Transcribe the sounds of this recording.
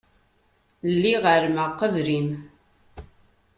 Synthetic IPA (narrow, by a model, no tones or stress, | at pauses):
lːiʁəɾməqːəvɾim